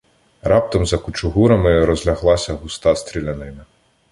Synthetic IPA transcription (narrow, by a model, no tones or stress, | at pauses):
rɑp̚t̪ɐmzɐkʊt͡ʃʊɦuɾɐmɪɾɔzʲlʲɐɦlˠɑsʲɐɦʊst̪ɑst̪ɾʲilʲɐnɪmɪ